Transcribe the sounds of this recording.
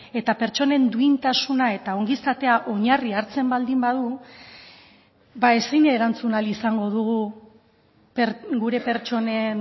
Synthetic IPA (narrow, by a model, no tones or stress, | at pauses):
e̞t̪ape̞ɾt͡ʃo̞ne̞nd̪uint̪asunae̞t̪ao̞ŋɡisat̪e̞aʔo̞ɲariaɾt͡se̞mbald̪imbaðu | bae̞sine̞ɾant͡sunalisaŋɡo̞ðuɣu | pɾɡuɾe̞pe̞ɾt͡ʃo̞ne̞n